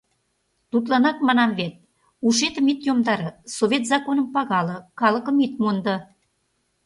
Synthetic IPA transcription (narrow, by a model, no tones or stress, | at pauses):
t̪ut̪lɑnɑk̚mɑnɑmβet̪̚ | uʃet̪ə̆mit̪jomd̪ɑɾɤ̆soβʲet̪zɑkonəmpɑɣɑlɤ̆kɑləkə̆mit̪mond̪ɤ̆